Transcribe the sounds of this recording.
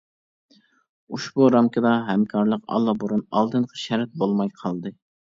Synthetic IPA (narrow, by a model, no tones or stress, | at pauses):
uʃbuɾɑmkʲɑd̪ɑɦɛmkʰɑɾlˠəqɑ̰lˠːɑboɾunɑ̰lˠd̪ɨnqʰə̥ʃæɾt̪̚bolˠmɑjqʰɑlˠd̪ɨ